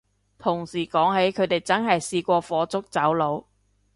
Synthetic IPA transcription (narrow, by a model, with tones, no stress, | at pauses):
t̪ʰʊ˨˩ŋsiː˨˩kɔː˨˥ŋɦe˨˥jkʰɵ˨˧˥ɥt̪e˨jt͡sɐ˥nɦɐ˨jsiː˧kʷɔː˧fɔː˨˧t͡sʊ˥k̚t͡sɐ˨˥wlo˨˧w